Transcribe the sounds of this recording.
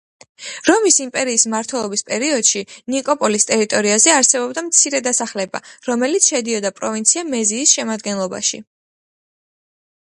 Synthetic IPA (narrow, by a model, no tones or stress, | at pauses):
ɾɔmisimpʼɛɾiːsmaɾt̪ʰwɛlˠɔbispʼɛɾiɔd̪̥ʃinikʼɔpʼɔlist̪ʼɛɾit̪ʼɔɾiazɛaɾsɛbɔbd̪amt̪sʰiɾɛd̪asaχlɛba̰ɾɔmɛlit̪sʰʃɛd̪iɔd̪apʼɾɔvint̪sʰiamɛziːsʃɛmad̪ɡɛnlˠɔba̰ʃḭ